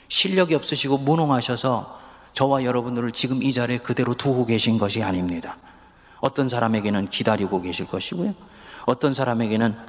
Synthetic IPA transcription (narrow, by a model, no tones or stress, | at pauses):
ɕʰiʎːʌɡiʌp̚s͈ɯɕʰiɡomunoŋɦaɕʰʌsʰʌ | t͡ɕʌwajʌɾʌbundɯɾɯɭt͡ɕiɡɯmid͡ʑaɾe̞kɯde̞ɾotuɡoɡe̞ɕʰinɡʌɕʰiaɲimɲida | ʌt͈ʌnsʰaɾame̞ɡe̞nɯnkidaɾiɡoke̞ɕʰiɭk͈ʌɕʰiɡojo | ʌt͈ʌnsʰaɾame̞ɡe̞nɯn